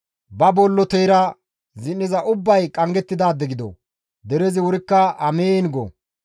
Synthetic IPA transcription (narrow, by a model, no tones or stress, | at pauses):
bɐbɔlːɔt̪ɛjɾɐ | zɪnːɪzɐʔʊbːɐjkʼɐŋɡɛt̪ːɪd̪aːd̪ːɛɡɪd̪ɔ̰ | d̪ɛɾɛzɪwʊɾɪkːɐɐmeːnɡɔ̰